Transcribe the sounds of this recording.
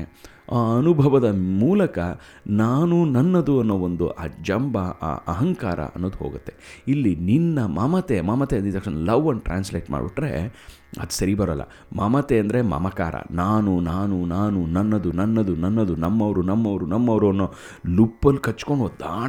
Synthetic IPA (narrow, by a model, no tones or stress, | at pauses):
aːɐnubʱɐʋɐd̪ɐmuːlɐkɐ | naːnunɐnːɐd̪uɐnːoːond̪uʔaːd͡ʒɐmbɐ̰ːʔɐɦɐŋkaːɾɐ̰ɐ̰nːoːd̪uɦoːɡut̪ːe̞ilːininːɐmɐmɐt̪emɐmɐt̪eɐnd̪it̪ːɐkʂɐnɐlɐʋːɐnʈɾa̰ːnsleːʈma̰ːɖbiʈɾḛ | ɐ̰d̪usɐɾibɐɾɐlːɐ̰ | mɐmɐt̪eɐnd̪ɐɾe̞mɐ̰mɐkaːɾɐ̰naːnunaːnunaːnunɐnːɐd̪unɐnːɐd̪unɐnːɐd̪unɐmːɐʋɐɾunɐmːɐʋɐɾunɐmːɐʋɐɾuɐnːoː | lupːɐlːikɐt͡ʃːkoɳɖod̪a̰ː